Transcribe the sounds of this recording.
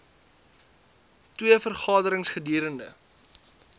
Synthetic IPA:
twiəfərχɑːdəɾəŋsχədiːɾəndə̰

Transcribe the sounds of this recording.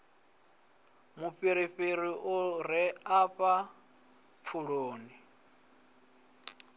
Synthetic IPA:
mufiɾiɸiɾiʔuɾ̤iapa | p̪fʰuɺoːni

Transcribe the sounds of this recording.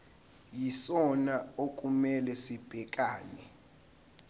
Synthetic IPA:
jisɔnaokʼumɛlɛsib̥ʱɛkʼaːnɛ

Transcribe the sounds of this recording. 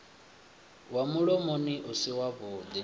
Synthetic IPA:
wamuɺɔmoniʔusiwaβʊd̪i

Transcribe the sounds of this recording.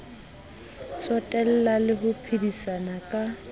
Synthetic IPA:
sɔtʼɛl̩lalɪɦʊpʰɪdisanakʼa

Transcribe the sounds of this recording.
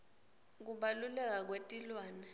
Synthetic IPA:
k̬uɓalulɛk̬ak̬wetʼilwaːnɛ

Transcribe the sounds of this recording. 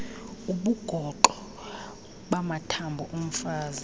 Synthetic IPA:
uɓuɡ̥ʱɔǃɔ | ɓamatʰambʱɔʔum̩faːza

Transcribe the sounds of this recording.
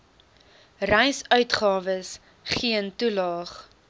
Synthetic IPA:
rɛjsœɥtχɑːvəs | χiəntulɑːχ

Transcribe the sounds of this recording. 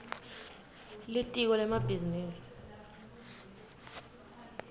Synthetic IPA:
litʼik̬ɔlɛmabʱiziniːsi̥

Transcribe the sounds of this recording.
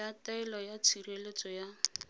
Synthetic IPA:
ataɛlɔjat͡sʰirelet͡sʼɔja

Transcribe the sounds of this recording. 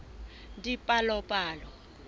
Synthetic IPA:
ndipʼalɔpʼaːlɔ

